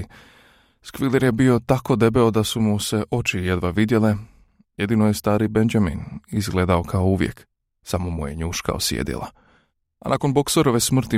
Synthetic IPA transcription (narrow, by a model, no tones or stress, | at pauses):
skʋileɾje̞bio̞t̪ako̞d̪e̞beod̪asumuse̞ʔo̞t͡ʃije̞d̪ʋaʋid̪je̞le | je̞d̪inojest̪aːɾibend͡ʒamḭnizɡleːd̪ao̞kʰaouʋjḛk | samomujeɲuːʃka̰o̰sjḛːd̪ḭlˠʔa̰ | anako̞nboksoɾo̞ʋe̞smr̩t̪i